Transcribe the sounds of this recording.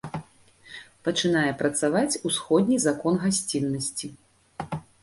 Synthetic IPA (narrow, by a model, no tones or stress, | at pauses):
pɐt͡ʂɨnajɛpɾɐt̪savat͡sʲusxɔd̪ʲnʲizakɔnɣasʲt͡sʲinːɐsʲt͡sʲi